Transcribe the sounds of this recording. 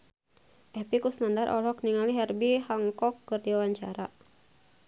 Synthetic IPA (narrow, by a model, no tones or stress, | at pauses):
ʔɛhpikusnandarʔɔ̰lɔk̚niŋaliɦɛrbihaŋkɔkːɨrdiwawaɲt͡ʃaɾa̰